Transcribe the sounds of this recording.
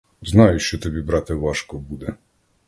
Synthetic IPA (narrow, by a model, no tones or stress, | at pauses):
znɑjʊʃt͡ʃɔt̪ɔbʲibɾɑt̪eʋɑʃkɔbud̪ɛ